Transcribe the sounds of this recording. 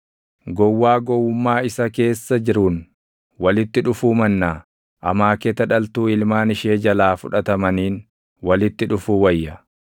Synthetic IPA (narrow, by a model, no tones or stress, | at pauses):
ɡɔwːaːɡɔwːʊmːaːɪsɐke̞ːsːɐd͡ʒɪɾun | wɐlɪt̪ːɪᶑʊfuːmɐnːaː | ʔɐmaːkɛt̪ɐᶑɐlt̪uːɪlmaːnɪʃeːd͡ʒɐlaːfʊᶑɐt̪ɐmɐniːn | wɐlɪt̪ːɪᶑʊfuːwɐjːɐ